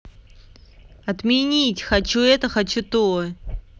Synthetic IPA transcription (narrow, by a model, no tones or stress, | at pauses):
ɐt̪mʲɪnʲitʲxɐt͡ɕuɛt̪əxɐt͡ɕut̪o